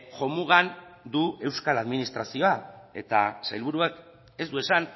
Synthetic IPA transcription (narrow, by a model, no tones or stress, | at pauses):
ʝo̞muɣand̪ue̞wskalaðminist̪ɾasio̞ae̞t̪a̰sajlβ̞uɾuak | e̞zd̪ue̞san